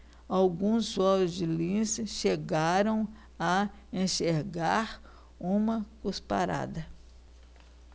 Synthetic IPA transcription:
awɡũsɔlʊzd͡ʒɪlĩsʃeɡaɾɐ̃w̃ | ɐ | ẽʃeɾɡaɾ | ũmɐkuspa̰ɾa̰d̪ɐ

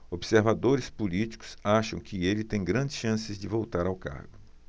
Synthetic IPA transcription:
obseɾvad̪oɾɪspulit͡ʃi̥kʊ̥saʃɐ̃w̃kʰɪelɪt̪ẽj̃ɡɾɐ̃nd͡ʒɪsʃɐ̃sɪzd͡ʒɪvowt̪aɾawka̰ɾɡʊ

